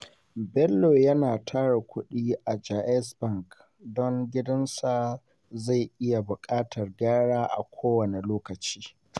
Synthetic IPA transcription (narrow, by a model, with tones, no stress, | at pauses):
bɛ˦lːoː˨jɐ˦naː˨tʰaː˦ɽa˨kʷʰʊ˦ɗiː˦ʔa˨d͡ʒaː˨ʔɛ˦sbɐ˦ŋk | dɔ˦ŋɡʲɪ˦dɐ˦nsa˨ | za˦˨jʔɪ˦ja˨bʊ˨kʼaː˦tʰɐ˨rɡaː˦ɽaː˦ʔa̰˨kʷʰoː˦wɐ˨ne˨loː˦kɐ˨t͡ʃi̥ː˦